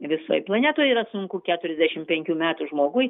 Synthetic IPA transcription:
ʋʲɪso̰ːjplˠɐnʲæːt̪oːjiːɾɐsʊŋkʊkʲæːt̪ʊɾʲɛzʲd̪ʲæʃʲɪmpʲɛŋʲkʲuːmʲæːt̪uʒmoːɡʊj

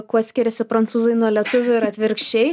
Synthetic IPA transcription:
kuɔsʲkʲɪɾʲɛsʲɪpɾɐnt̪suːzɐɪnuɔlʲiɛt̪ʊʋʲʊɪɾɐt̪ʲʋʲɪɾʲkʃʲt͡ʃʲɛɪ

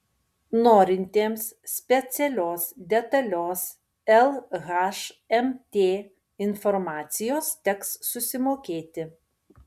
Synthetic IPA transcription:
noːɾʲɪnʲt̪ʲeːmsʲpʲɛt̪sʲɛlʲoːsd̪ʲɛt̪ɐlʲoːs | ɛlˠɣɐʃɛmt̪ʲeː | ɪnfɔɾmɑːt̪sʲɪjoːst̪ʲɛkssʊsʲɪmoːkʲeːt̪ʲɪ

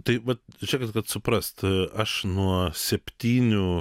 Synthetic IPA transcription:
t̪ɐɪʋɐt̪̚ʒʲɛːkɐt̪skɐt̪sʊpɾɐst̪ɐʃnuɔsʲɛpʲt̪ʲiːnʲʊ

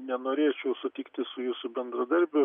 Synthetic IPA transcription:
nʲɛnoːɾʲeːt͡ʃʲɛʊsʊt̪ʲiːkt̪ʲɪsʊjuːsʊbʲɛnd̪ɾɐd̪ɐɾʲbʲʊ

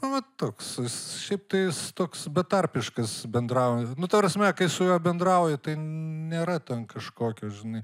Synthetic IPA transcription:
ʊʋɐt̪oːkssʃʲɛɪp̚t̪ɐɪjɪst̪oːksbʲɛt̪ɐrʲpʲɪʃkɐsbʲɛnd̪ɾɐʊjnʊt̪ɐpɾɐsʲmʲɛkɐɪsʊjuːbʲɛnd̪ɾɐʊjɛt̪ɐɪnʲeːɾɐt̪ʲɛnkɐʃkoːkʲoːʒʲɪnɐɪ

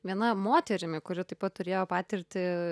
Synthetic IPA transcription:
ʋʲiɛnɐmoːt̪ʲɛɾʲɪmʲɪkʊɾʲɪt̪ɐɪpɐt̪̚t̪ʊɾʲeːjoːpɑːt̪ʲɪɾʲt̪ʲɪ

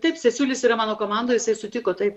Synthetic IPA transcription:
t̪ɐɪpsʲɛsʲuːlʲɪsʲiːɾɐmɑːnoːkoːmɑnd̪oːjɪsɐɪsʊt̪ʲɪkoːt̪ɐɪp

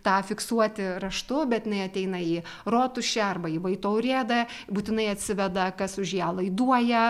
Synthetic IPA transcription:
t̪ɑːfʲɪksuɔt̪ʲɪɾɐʃt̪ʊbʲɛt̪jɪnɐɪɐt̪ʲɛɪnɐiː | roːt̪ʊʃʲɛɐrbɐiːʋɐɪt̪ɐʊɾʲeːd̪ɐ | buːt̪ʲɪnɐɪɐt̪ʲsʲɪʋʲɛd̪ɐkɐsʊʒjæːlˠɐɪd̪uɔjɛ

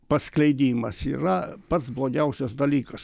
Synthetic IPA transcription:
pɐsklʲɛɪd̪ʲiːmɐsḭːɾɐpɐt̪sblˠoːɡʲɛʊsʲɛsd̪ɐlʲiːkɐs

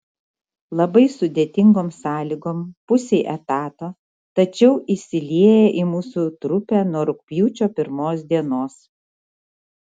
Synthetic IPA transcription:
lˠɐbɐɪsʊd̪ʲeːt̪ʲɪŋɡoːmsɑːlʲiɡoːmpʊsʲeɪʔɛt̪ɑːt̪oː | t̪ɐt͡ʃʲɛʊʔɪsʲɪlʲiɛjɛʔimuːsʊt̪ɾʊpʲæːnuɔɾʊkpʲjuːt͡ʃʲoːpʲɪɾmoːs̬d̪ʲiɛnoːs

